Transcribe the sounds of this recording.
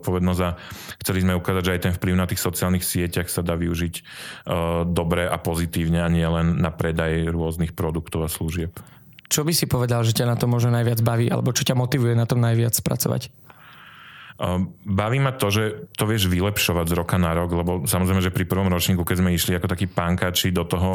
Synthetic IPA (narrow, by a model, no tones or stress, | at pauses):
t̪pɔʋɛd̪nɔzaxt͡sɛlizmɛukaːzaɟʒɛajt̪ɛnfpliʊnat̪iːxsɔt͡siaːlnixsɪɛcaxsad̪aːʋiuʒiɟ | d̪ɔbɾɛʔapɔzit̪iːʊɲɛaɲɪɛlɛnːapɾɛd̪ajɾʊɔznixpɾɔd̪ukt̪ɔʊasluʒɪɛp | t͡ʃɔbisipɔʋɛd̪alʒɛcanat̪ɔmʊɔʒnɔnajʋɪad͡zbaʋiːʔa̰lɛ̰bɔt͡ʃɔcamɔt̪iʋujɛnat̪ɔmnajʋɪat͡spɾa̰t͡sɔ̰ʋa̰c | baʋiːmat̪ɔʒɛt̪ɔʋɪɛʒʋilɛpʃɔʋaɟzɾɔkanaɾɔɡlɛbɔsamɔzɾɛjmɛʒɛpɾipr̩ʋɔmɾɔt͡ʃɲiːkukɛzmɛiʃliakɔt̪akiːpaŋkaːt͡ʃid̪ɔt̪ɔɦɔ